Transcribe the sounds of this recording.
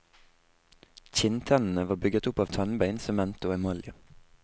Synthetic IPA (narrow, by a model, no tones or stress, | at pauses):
c͡çɪnt̪ʰɛnn̩əʋɑːbʏɡət̪ʊpɑːʋt̪ʰɑnbæɪnsɔmːɛnt̪ʊɛmɔljə